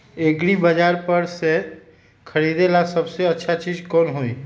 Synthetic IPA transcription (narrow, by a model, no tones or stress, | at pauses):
eɡɾibəd͡ʒaːɾpəɾse | kʰəɾiːd̪elasɐbseɐtːʃʰat͡ʃiːzkɔːnɦoːiː